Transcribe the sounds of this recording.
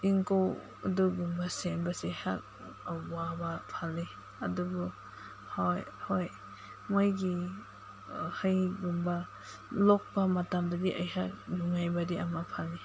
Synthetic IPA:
iŋkow | a̰duɡumbasenbaseha̰k̚ | aːabapʰale | adubu | hojhoj | mojɡi | hajɡumba | lɔk̚pamatamdadiʔajhak̚nuŋajbadiʔamapʰalːe

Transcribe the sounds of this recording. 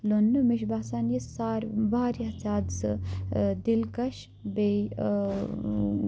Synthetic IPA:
lonːmiʃbaːsaːnjisaːɾbaːɾɐɐzaːd̪sɨd̪ilkɐʃ | be

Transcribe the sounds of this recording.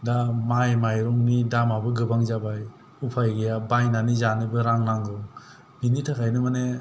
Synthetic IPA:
damajmajɾɔŋnidamabɯɡɯbaŋzabaj | upʰajɡɯjabajnanizanɯbɯɾaŋnaŋɡɯw | binitʰakʰajnɯmane

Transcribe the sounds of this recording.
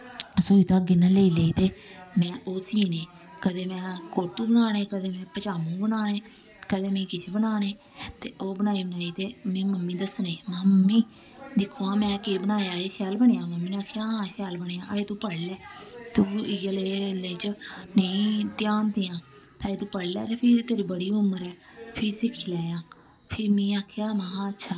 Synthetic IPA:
suiːt̪ãːɡɪnãːleiːleiːt̪eːmɛ̃ːʔoːsiːneː | kəd̪eːmɛ̃ːkoɾt̪ũːbənaːneːkəd̪eːmɛ̃ːpət͡ʃaːmũːbənaːneː | kəd̪eːmɛ̃iːkɪt͡ʃʰebənaːneː | t̪eːʔoːbənaːiːbənaːiːt̪eːmɛ̃ːməmːĩːd̪əsneːməmːiː | d̪ɪkʰːoːãːmɛ̃ːkeːbənaːjaːeːʃɛːlbəɳeːjaːməmːiːnaːkʰːeaːɦãːʃɛːlbəɽeːãːʔaːeːt̪ũːpəɽlɛːt̪ũːɪjəleːleːt͡ʃnəĩːt̪jaːnt̪iːãː | t̪eaːeːt̪ũːpəɽlɛ̰ːt̪eːpʰɪɾt̪eːɾiːbəɽiːʊmːəɾɛː | pʰɪɾsɪkʰiːlɛːjãː | pʰɪɾmĩːaːkʰejaːmãːɦãːətːʃʰaː

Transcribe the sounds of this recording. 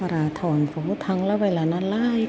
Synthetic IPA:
paɾaːt̪ʰɔːnfoːt̪ʰaŋlɛweːlaːnaːnlaːj

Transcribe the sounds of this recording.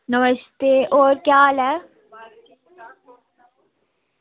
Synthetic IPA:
nəməʃt̪eːʔoːɾkjaːlɛː

